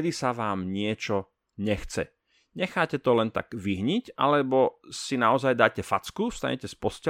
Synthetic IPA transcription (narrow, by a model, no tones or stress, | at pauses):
d̪isaʋaːmɲɪɛt͡ʃɔ | ɲɛxt͡sɛ̰ | ɲɛxaːcɛt̪ɔlɛnt̪a̰ɡ̥ʋiɦɲicʔa̰lɛbɔsinaɔzajd̪aːcɛfat͡skust̪a̰ɲɛcɛspɔscɛ